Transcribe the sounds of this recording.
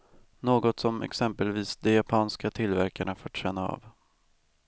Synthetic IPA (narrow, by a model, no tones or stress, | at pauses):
noːɡɔt̪sɔmɛ̰ksɛmpəlviːsd̪ɛjapʰɑːnskat̪ʰɪlːvæɾkaɳafoːʈɕɛnːaɑ̰ːv